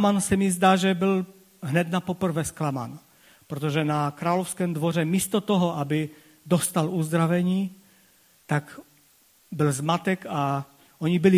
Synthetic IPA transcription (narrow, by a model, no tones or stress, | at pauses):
mansɛmizd̪aːʒɛbɪl | ɦnɛd̪napopr̩vɛsklama̰n | pɾot̪oʒɛnakɾaːlofskɛːmd̪vorɛmiːst̪ot̪oɦɔʔabɪ | d̪ost̪aluzd̪ɾavɛɲiː | t̪ak | bɪlzmat̪ɛka | ʔoɲibɪlɪ